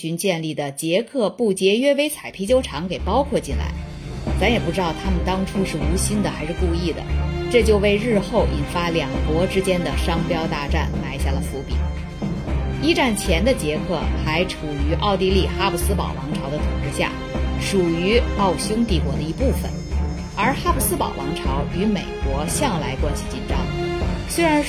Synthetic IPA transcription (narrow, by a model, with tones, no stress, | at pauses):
t͡ɕy˧˥nt͡ɕjɛ˥˧nli˥˩d̪ə˩t͡ɕjɛ˧˥kʰɤ˥˧pu˥˩t͡ɕjɛ˧˥ɥɛ˥we˥ɪt͡sʰa˨˩ɪpʰi˧˥t͡ɕjo˥ʊʈ͡ʂʰɑ˧˥ŋke˨˩ɪpɑ˥ʊkʰwɔ˥˧t͡ɕi˥˩nla̰˧˥ɪ | t͡sa˧˥njɛ˨˩p̬u˥˩ʈ͡ʂɻ̩˥ɑ˥˩ʊt̪ʰa˥mə˨nt̪ɑ˥ŋʈ͡ʂʰu˥ʂɻ̩˥˩u˧˥ɕi˥nd̪ə˨xa˧˥ɪʂɻ̩˥˧ku˥˧i˥˩d̪ə̰˩ʈ͡ʂɤ˥˧t͡ɕjo˥˧ʊwe˥˧ɪɻɻ̩˥˧xo˥˩ʊʔi˨˩nfa˥ljɑ˨˩ŋkwɔ˧˥ʈ͡ʂɻ̩˥t͡ɕjɛ˥nd̪ə˨ʂɑ˥ŋpjɑ˥ʊt̪a˥˧ʈ͡ʂa̰˥˩nla˥ɪɕja˥˩lə˩fu˧˥pḭ˨˩˦ | i˥ʈ͡ʂa˥˩nt͡ɕʰjɛ˧˥nd̪ə˧t͡ɕjɛ˧˥kʰɤ˥˩xa˧˥ɪʈ͡ʂʰu˨˩y˧˥ʔɑ˥˧ʊt̪i˥˧li˥˩xa˥pu˧˥˩sɹ̩˥pɑ̰˨˩ʊwɑ˧˥ŋʈ͡ʂʰɑ˧˥ʊd̪ə˧t̪ʰʊ˨˩ŋʈ͡ʂɻ̩˥˧ɕja̰˥˩ | ʂu˨˩y˧˥ɑ˥˩ʊɕjʊ˥ŋt̪i˥˩kwɔ˧˥d̪ə˧i˧˥pu˥˩fə̰˩n | ə˞˧˥xa˥pʰu˥˩sɹ̩˥pɑ̰˨˩ʊwɑ˧˥ŋʈ͡ʂʰɑ˧˥ʊy˧˥me˨˩ɪkwɔ˧˥ɕjɑ˥˩ŋla˧˥ɪkwa˥nɕi˨˩t͡ɕi˨˩nʈ͡ʂɑ̰˥˩ŋswe˥ɪɻa˧˥n